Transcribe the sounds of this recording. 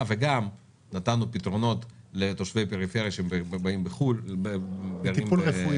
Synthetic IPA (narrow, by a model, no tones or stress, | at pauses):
veɡam | nat̪anupit̪ʁo̞no̞tlet̪o̞ʃve̞jpeʁifeʁjaʃeembbaimbeχulbeɡaʁiimmulʁefu